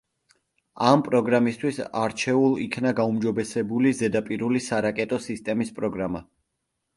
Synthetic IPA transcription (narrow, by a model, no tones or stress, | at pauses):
ampʼɾɔɡɾamist̪ʰwisa̰ɾt͡ʃʰɛulˠikʰnaɡaumd͡ʒɔbɛsɛbulizɛd̪apʼiɾulisaɾakʼɛt̪ʼɔsist̪ʼɛmispʼɾɔɡɾama̰